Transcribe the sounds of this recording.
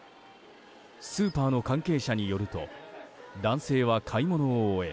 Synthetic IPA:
sɨːpaːno̞kãŋke̞ːɕaɲ̟ijo̞ɾɯ̟t̪o̞̰ | d̪ãɰ̃se̞ːβakʰaimo̞no̞ːe̞

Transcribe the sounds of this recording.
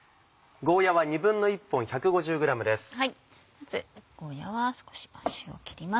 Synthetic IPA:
ɡo̞ːjaβaɲ̟ibɯ̟̃nːo̞ipːõ̞ɰ̃çakɯ̟ɡo̞ʑɨːɡɯ̟ɾamɯ̟d̪e̞sɨ̥hai | mazɨɡ̥o̞ːjaβasɨ̥ko̥ɕi̥oɕio̰kʲi̥ɾʲima

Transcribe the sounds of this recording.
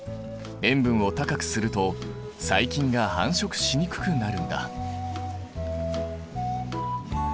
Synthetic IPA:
ẽ̞mbɯ̟̃ɰ̃o̞t̪akakɯ̟̥sɨɾɯ̟t̪o̞ | saikʲĩŋɡahãɰ̃ɕo̞kɯ̟̥ɕiɲ̟ikɯ̟̥kɯ̟naɾɯ̟̃nd̪a̰

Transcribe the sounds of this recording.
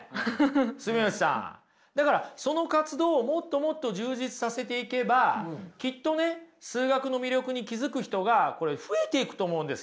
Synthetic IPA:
sɨmioɕi̥sã̰ | d̪akaɾaso̞no̞kat͡sɨd̪o̞ːmo̞t̪ːo̞mo̞t̪ːo̞ʑɨːʑit͡sɨ̥sase̞t̪e̞ike̞bakʲit̪ːo̞ne̞sɨːɡakɯ̟no̞mʲiɾʲo̞kɯ̟ɲ̟ikʲizɨkɯ̟çi̥t̪o̞ɡako̞ɾe̞ɸɯ̟e̞t̪e̞ikɯ̟̥t̪o̞ːmo̞ɯ̟̃nd̪es

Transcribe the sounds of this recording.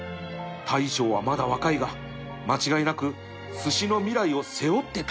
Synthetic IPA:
t̪ʰaiɕo̞ːβamad̪aβakaiɡa | mat͡ɕiɡainakɯ̟ | sɨɕino̞mʲiɾaio̞se̞o̞t̪ːe̞t̪

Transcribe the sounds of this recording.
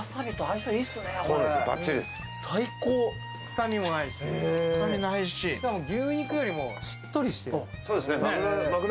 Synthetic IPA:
saɾɯt̪oaisaiːsɨnesoːd̪eeɡa̰t͡ɕːid̪esɨ̥ | saikoː | ksamʲimo̞naisamʲinaiɕiamoɡʲɨ̃ːĩkɯ̟jo̞ɾʲimo̞ɕi̥t̪ːo̞ɾʲiɕi̥t̪ejsoːd̪esnenenakɯ

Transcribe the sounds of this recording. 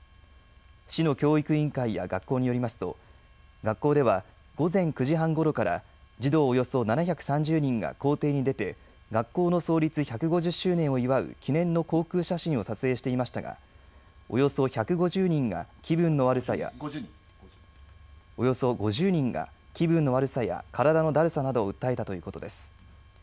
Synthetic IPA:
ɕino̞kʲo̞ːikɯ̟ĩŋkaija̰ɡakːo̞ːɲ̟ijo̞ɾʲimasɨ̥t̪o̞̰ | ɡakːo̞ːd̪e̞βa | ɡ̥o̞zẽ̞ŋkɯ̟ʑiɦãŋɡo̞ɾo̞kaɾa̰ | d͡ʑid̪o̞ːjo̞so̞nanaçʲakɯ̟̥sãɲ̟d͡ʑɨːɲ̟ĩŋɡa̰ko̞ːt̪e̞ːɲ̟id̪e̞t̪e̞ | ɡakːo̞ːno̞so̞ːɾʲit͡sɨçakɯ̟ɡo̞ʑɨɕːɨːnẽ̞ɰ̃o̞iβaɯ̟̰kʲinẽ̞nːo̞ko̞ːkɯ̟ːɕaɕĩɰ̃o̞sat͡sɨe̞ːɕi̥t̪e̞imaɕi̥t̪aɡa̰ | o̞̰jo̞so̞çakɯ̟ɡo̞ʑɨːɲ̟ĩŋɡa̰kʲibɯ̟̃nːo̞βaɾɯ̟saja̰ | o̞jo̞so̞ɡo̞ʑɨːɲ̟ĩŋɡa̰kʲibɯ̟̃nːo̞βaɾɯ̟saja̰kʰaɾad̪ano̞d̪aɾɯ̟sanad̪o̞ːɯ̟t̪ːae̞t̪at̪o̞jɯ̟ːko̞t̪o̞d̪e̞sɨ̥

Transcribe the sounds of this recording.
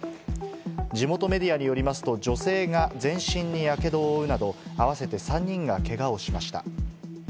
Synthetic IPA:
d͡ʑimo̞t̪o̞me̞d̪ʲiaɲ̟ijo̞ɾʲimasɨ̥t̪o̞d͡ʑo̞se̞ːɡazẽ̞ɰ̃ɕĩɲːijake̞d̪o̞ːɯ̟nad̪o̞aβase̞t̪e̞sãɲ̟ːĩŋɡake̞ɡao̞ɕimaɕi̥t̪a̰

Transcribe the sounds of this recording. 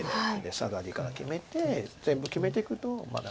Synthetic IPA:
d̪esaɡaɾʲikaɾakʲime̞t̪e̞zẽ̞mbɯ̟kʲime̞t̪ekɯ̟t̪o̞ma̰d̪a

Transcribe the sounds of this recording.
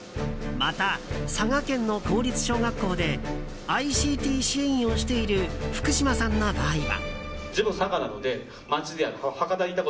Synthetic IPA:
mat̪asaɡakẽ̞nːo̞ko̞ːɾʲit͡sɨ̥ɕo̞ːɡakːo̞ːd̪e̞ | aiɕiːt̪ʲiːɕiĩo̞ɕi̥t̪e̞iɾɯ̟ɸɯ̟̥kɯ̟ɕimasãnːobaːiβa̰ | d͡ʑibɯsaɡanano̞d̪e̞ | mat͡ɕid̪eaɾhakad̪aɾʲit̪ako

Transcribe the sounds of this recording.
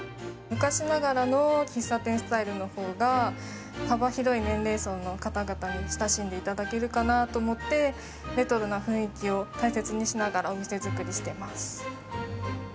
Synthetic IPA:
mɯ̟kaɕinaɡaɾanokʲĩsat̪ẽ̞ɰ̃sɨ̥t̪aiɾɯ̟no̞ho̞ːɡa | habaçiɾo̞inẽ̞nɾe̞ːso̞nːo̞kat̪aɡat̪aɲ̟iɕi̥t̪aɕĩnd̪e̞it̪ad̪ake̞ɾɯ̟kanat̪o̞ːmo̞t̪ːe̞ | ɾe̞t̪o̞ɾɯ̟naɸɯ̟̃ɰ̃ikʲio̞t̪aise̞t͡sɨɲ̟iɕinaɡaɾao̞mʲise̞zɨkɯ̟ɾʲiɕi̥t̪e̞masɨ̥

